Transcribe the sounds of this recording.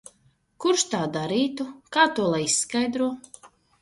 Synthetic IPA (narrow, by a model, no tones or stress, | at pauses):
kuɾʃt̪aːd̪aɾiːt̪ukaːt̪uɔlˠajisːkajd̪ɾuɔ